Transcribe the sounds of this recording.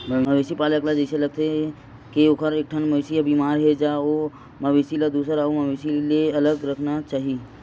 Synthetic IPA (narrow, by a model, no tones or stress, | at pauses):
mmɐʋeːsipaːləklad͡ʒɐselɐɡ̚t̪eɦ | kiokʰəɾeːk̚ʈʰənmɐsiabiːmaːɾɦɛd͡ʒaːo | mɐʋesilad̪uːsɾaomɐʋeːsileɐləɡɾɐkʰnat͡ʃaːɦi